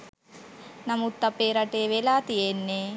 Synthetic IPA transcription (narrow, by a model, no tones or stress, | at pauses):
nɐmut̪ːɐpeːɾɐʈeːʋelaːt̪ijenːe